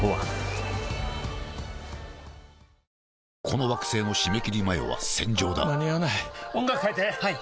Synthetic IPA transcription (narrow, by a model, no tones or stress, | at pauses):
oβa | kʰo̞no̞βakɯ̟̥se̞ːno̞ɕime̞kʲiɾʲimaḛβa̰sẽ̞ɲ̟d͡ʑo̞ːd̪a̰naɲijanaiõŋɡakɯ̥kait̪ehai